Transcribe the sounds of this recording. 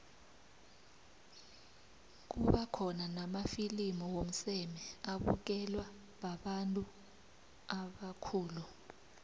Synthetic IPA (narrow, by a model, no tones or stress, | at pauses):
k̬uɓakʰɔnanamafilimɔwom̩sɛmɛaɓṵk̬ɛlwa | ɓaɓantʼu | aɓakʰuːlu